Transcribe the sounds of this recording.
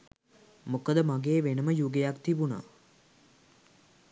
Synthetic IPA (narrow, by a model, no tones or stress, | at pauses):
mukəd̪əmaɡeːʋenəməjuɡejakt̪ibuna̰